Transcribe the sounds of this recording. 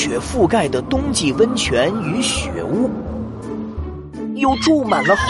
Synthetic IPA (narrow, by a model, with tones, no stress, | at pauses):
ɥɛ˨˩fu˥˧ka˥˩ɪd̪ə˩t̪ʊ˥ŋt͡ɕi˥˩wə˥nt͡ɕʰɥɛ˧˥ny˧˥ɕɥɛ̰˧˥u˥˩ | jo˥˧ʊʈ͡ʂu˥˩ma˨˩nlə˦x